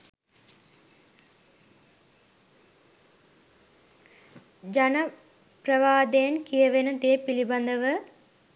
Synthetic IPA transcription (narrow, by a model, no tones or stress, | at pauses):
d͡ʒanə | prəʋaːd̪ejənkijəʋenəd̪ejəpiliband̪əʋə